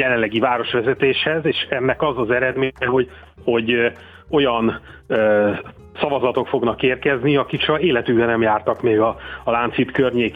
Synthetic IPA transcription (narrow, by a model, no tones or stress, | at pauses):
jɛlɛnlɛɡivaːɾo̞ʃʋɛzɛt̪eːʃhɛzeːʃɛnːɛkɒzɒzɛɾɛd̪meːɲɛɦo̞ | ho̞ɟ | o̞jɒnø | sɒvɒzɒt̪o̞kfo̞ɡnɒkeːrkɛzniɒkikʃɒeːlɛt̪yːɛnɛmjaːrt̪ɒkmeːɡɒːlaːnt̪sit̪kørɲeːk